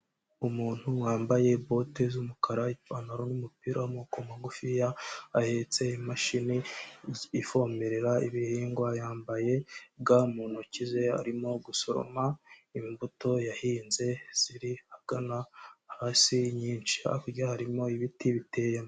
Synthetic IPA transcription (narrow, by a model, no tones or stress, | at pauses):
umuːn̥huwaːmbaje̞bo̞tezumukʰaɾaifanaɾonumupiɾamukomaɡufijaːhe̞t͡se̞imaʃini | ifo̞me̞ɾe̞ɾaiβihiːŋɡwajaːmbaje̞bɡamuːnucize̞a̰ɾimo̞ɡusoɾo̰maimbuto̞jahiːnze̞z̥iɾihaɡ̥anaːhaːsiɲiːnt͡ʃia̰kuɾɟahaɾimo̞iβitiβite̞ːjemo